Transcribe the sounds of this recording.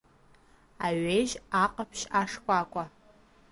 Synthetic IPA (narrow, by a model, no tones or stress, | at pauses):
aɥejʒaqʼapʰʃaʂkʷʼakʷʼa